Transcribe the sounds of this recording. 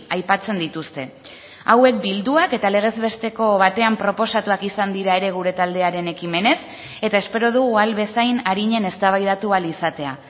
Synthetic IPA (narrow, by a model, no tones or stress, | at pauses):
ajpat͡se̞nd̪it̪ust̪e̞ | awe̞k̚bild̪uake̞t̪ale̞ɣ̞e̞zβe̞st̪e̞ko̞βat̪e̞ampɾo̞po̞sat̪uakisand̪iɾae̞ɾe̞ɣ̞uɾe̞t̪ald̪e̞aɾe̞ne̞kime̞ne̞s | e̞t̪ae̞spe̞ɾo̞ð̞uɣualβe̞sajnaɾiɲe̞ne̞st̪aβ̞ajðat̪ualisat̪e̞a